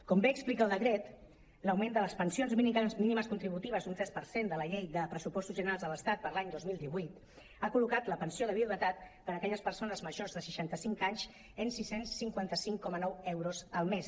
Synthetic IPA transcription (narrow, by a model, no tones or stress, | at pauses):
kɔmbeːksplikaəlˠd̪əkɾɛt̪ | ləwmend̪ələspənsionzminminiməskunt̪ɾiβ̞ut̪iβəzunt̪ɾɛspəɾsend̪ələʎejðəpɾəsupɔst̪uzʒənəɾalzðələst̪at̪̚pəɾlaɲd̪ozmilˠd̪iβujt̪ | akulukat̪ləpənsioðəβiuβət̪at̪̚pəɾəkɛʎəspəɾsonəzməʒorzðəsəʃant̪əsiŋkaɲz | ensisensːiŋkwant̪əsiŋkɔmənɔwɛwɾozəlˠmes